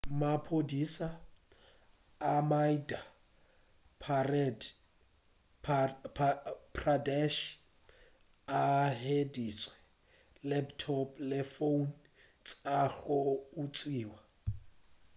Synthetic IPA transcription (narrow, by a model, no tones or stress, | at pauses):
mapʰodisa | maida | ppʰradɛʃ | aɦediːt͡sʼwɛ | lɛptʰɔplɪfon | t͡sʼaɣɔut͡sʼwiːwa